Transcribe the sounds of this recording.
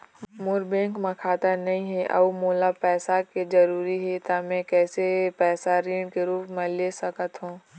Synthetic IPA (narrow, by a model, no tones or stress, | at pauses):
mʊɾbẽːŋkmãkʰaːt̪anɐɦĩɦɛʔɐ̰moːlapɛːsaked͡ʒɐɾuːɾiɦɛt̪amɛ̃kɛːsepɛːsaɾiːɳɖkeɾuːpmɛ̃lesɐkət̪ɦũː